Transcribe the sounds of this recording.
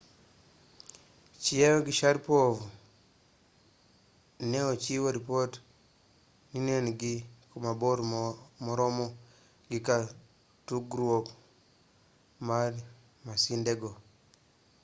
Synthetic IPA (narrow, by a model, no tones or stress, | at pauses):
t͡ʃiɛwoɡiʃaɾpovu | nɛɔt͡ʃiwoɾipot | ninoniɡikumaboɾmɔɾɔmɔ | ɡika | tuɡɾwok | maɾ | masindeɡo